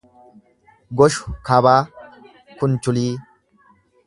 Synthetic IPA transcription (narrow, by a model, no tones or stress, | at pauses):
ɡɔʃʊ̥kabaː | kʊnt͡ʃʊliː